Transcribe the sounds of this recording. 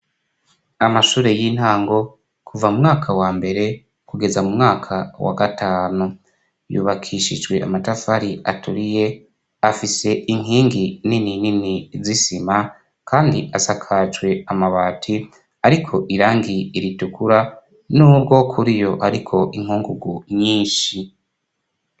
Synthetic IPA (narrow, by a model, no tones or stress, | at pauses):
amaʃuːɾe̞jin̥haːŋɡo̞ | kʰuvamumŋaːkʰawaːmbe̞ɾe̞ | kuɡe̞zamumŋaːkʰawa̰ɡatʰaːnu | jṵːβakʰiʃid͡ʒɡwe̞ʔa̰matafaɾiatuɾije̞ | afise̞ʔiŋɦiːŋɡininininizisima | kʰaːndiʔasakʰat͡ʃwe̞amaβaːtʰi | aɾikʰo̞ʔiɾaːŋɡiiɾitukuɾa | nuːbɡo̞kʰuɾijo̞ʔaɾikʰo̞ʔiŋ̥huːŋɡuɡuɲiːnʃi